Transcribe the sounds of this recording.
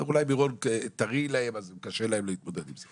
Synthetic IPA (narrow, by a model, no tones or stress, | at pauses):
ulajmiʁont̪aʁilahemazkaʃelahemlohit̪̚mo̞d̪ed̪imze